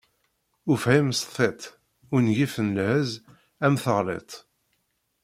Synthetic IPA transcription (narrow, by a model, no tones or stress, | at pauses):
ʊfhimsθˤet̪ˤ | ʊɾnʝifənlhəz | æmθəʁlḛt̪ˤ